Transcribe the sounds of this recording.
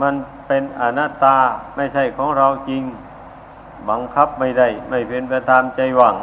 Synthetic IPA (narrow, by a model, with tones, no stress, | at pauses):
ma˧˥˨n | pe˧nʔa˧naː˧˥˩t̪ːaː˧ma˥˩jsʰa˥˩jkʰɔː˨˦ŋɾa˧wt͡ɕi˧ŋ | ba˨˧˦ŋkʰa˧˥˩p̚ma˥˩jda˥˩jma˥˩jpʰe˨˧˨npa˧t̪ʰaː˧mt͡ɕa˧jwa˧˩ŋ